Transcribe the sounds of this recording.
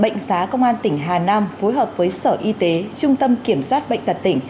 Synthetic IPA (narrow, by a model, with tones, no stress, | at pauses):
ɓə̰˧˨jŋ̟saː˨˦kə˧wŋ͡mʔaː˧nt̪ï˧˩ŋ̟ɦaː˨˩naː˧mfo˨˦jɦəː˨˩p̚vəː˨˦jsəː˧˩ʔi˧t̪e˨˦t͡ɕʊ˧ŋ͡mt̪ə˧mki˧˩əmswaː˦˥t̚ɓə̰˧˨jŋ̟t̪ə˨˩t̚t̪ï˧˩ŋ̟